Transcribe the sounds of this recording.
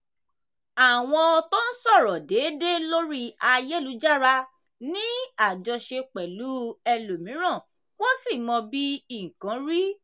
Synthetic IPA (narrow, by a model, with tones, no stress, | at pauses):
a˨w̃ɔ̃˧to˦n̩˦sɔ˦˨ɾɔ˨de˨˦de˦lo˦ɾi˦a˧je˦lu˨˦d͡ʒa˦ɾa˧ | nĩ˦a˦˨d͡ʒɔ˧ʃe˧k͡pɛ˨lu˨˦ɛ˧lo˨mĩ˨˦ɾ̃ã˦˨ | wo˦si˦˨mɔ̃˧bi˦i˨ŋ̩˨kã˨˦ɾi˦